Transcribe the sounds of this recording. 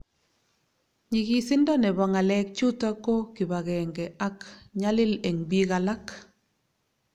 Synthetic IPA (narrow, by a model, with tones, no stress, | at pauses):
ɲi˨ɣi˨sɪ˦ndɔ˦nɛ˨βa˨ŋa˨lɛ˦k̚t͡ʃu˦ta˦ko˦kɪ˨βa˨ɣɛ˨ŋɡɛʔa˦kɲa˦lɪ˦le˨ŋbi˦ɣa˨la˦k